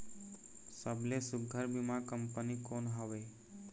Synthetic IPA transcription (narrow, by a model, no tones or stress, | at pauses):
səblesʊɡʱəɾbimãkəmpənikoːnɦəʋeː